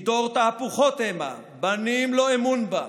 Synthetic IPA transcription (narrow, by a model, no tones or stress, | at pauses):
d̪ɔʁt̪apuχɔt̪ɛma̰ | banimlɔɛmunba̰